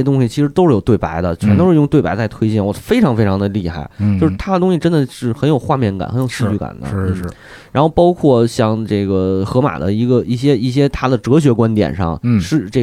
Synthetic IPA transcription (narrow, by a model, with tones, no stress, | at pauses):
ɛ˥t̪ʊ˥ŋɕi˨˩t͡ɕʰi˧˥ʂɻ̩˧˥t̪o˥ʊʂɻ̩˥˩jo˨˩ʊt̪wɪpa˧˥ɪd̪ə˧t͡ɕʰɛ˧˥nt̪o˥ʊʂɻ̩˥˧jʊ˥˧ŋt̪we˥˩ɪpa˧˥ɪt͡sa˥˧ɪt̪ʰwe˥ɪt͡ɕjɛ˥˩nwɔ̰˨˩fe˥ɪʈ͡ʂʰɑ˧˥ŋfe˥ɪʈ͡ʂʰɑ˧˥ŋd̪ə˧li˥˧xa̰˥˩ɪt͡ɕjo˥˧ʊʂ̩˥˧t̪ʰa˥də˨˩t̪ʊ˥ŋɕi˨˩ʈ͡ʂə˥nd̪ə˨ʂɻ̩˥˩xə˧˥njo˨˩ʊxwa˥˧mjɛ˥˩nka̰˨˩nxə˧˥njo˨˩ɕi˥˧˥t͡ɕy˥˩ka̰˨˩nd̪ə̰˦˥˩ | ɻa˧˥nxo˥˩ʊpɑ˥ʊkʰwɔ˥˩ɕjɑ˥˧ŋʈ͡ʂe˥˩ɡə˩xɤ˧˥ma̰˨˩d̪ə̰˦i˧˥ɡə˧i˥˩ɕjɛ˥i˥˩ɕ̬jɛ˥t̪ʰa˥d̪ə˨ʈ͡ʂɤ˧˥ɕ̬ɥɛ˧˥kwa˥nt̪jɛ̰˨˩nʂɑ̰˥˧ŋʂɻ̩˥˧˩ʈ͡ʂe˥˩